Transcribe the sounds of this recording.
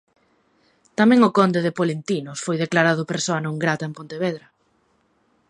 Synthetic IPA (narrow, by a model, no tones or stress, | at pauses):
t̪amɛ̃ŋʊkɔnd̪eðepolent̪inʊsfojðeklaɾaðʊpeɾsoanõŋɡɾat̪aempont̪eβ̞ɛðɾɐ